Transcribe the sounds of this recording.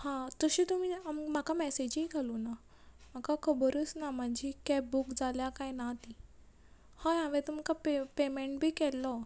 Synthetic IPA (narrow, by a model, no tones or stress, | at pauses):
hãt̪əɕiːt̪um̤iːamm̤akamɛsed͡ʑiɡʱaluːna | m̤akakəbəɾusnam̤əɳd͡ʑikɛp̚bukd͡zʱaljakajnat̪i | hãjãʋẽt̪umkapepemeɳʈ̚bʱiːkɛlːɔ